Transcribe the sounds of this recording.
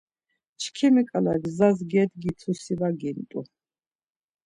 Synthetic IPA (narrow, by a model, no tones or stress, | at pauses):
t͡ʃʰkʰimɛkʼalaɡzazɡɛd̪ɡit̪ʰusivaɡint̪ʼu